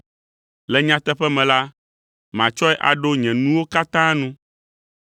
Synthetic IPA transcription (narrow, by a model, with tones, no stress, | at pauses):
lɛ˨ɲã˨t̪ɛ˦ɸɛ˦mɛ̃˨la˦ | mã˨t͡ʃɔ˦ɛ˦ʔa̰˨ɖo˦ɲɛ̃˨nũ˦wo˦ka˦t̪ã˦nũ˦